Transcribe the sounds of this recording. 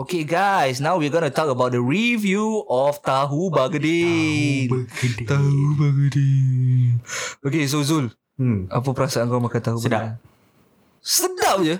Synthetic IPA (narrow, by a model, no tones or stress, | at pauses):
okeɡajsnãwwiaɡɔnut̪ɔkəbawt̚dəɹivjuɔft̪aɦubaɡədint̪aɦubaɡədinokes̬ozul | ʔap̬əpəɾasaəŋɡɔmakant̪aɦubdaan | sədap̚d͡ʒə